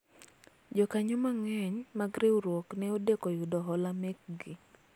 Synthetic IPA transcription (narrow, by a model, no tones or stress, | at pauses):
d͡ʒɔkaɲomaŋɛɲmaɡɾeuɾwɔknɛodekɔjʊdɔɦɔlamɛk̚ɡɪ